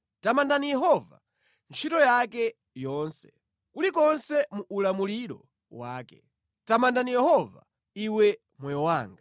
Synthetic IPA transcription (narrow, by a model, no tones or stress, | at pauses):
tamandanijɛɦɔva̰ | nt͡ʃʰitɔjakɛ | jɔnsɛ̥ | kulikɔnsɛmuʔːlamuliɾɔ̰ | waːkɛ | tamandanijɛhɔva̰ | iwɛ | mwɛjɔwaːŋɡa